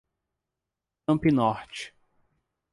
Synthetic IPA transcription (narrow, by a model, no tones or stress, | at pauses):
ɐ̃mpinɔɾt͡ʃɪ̥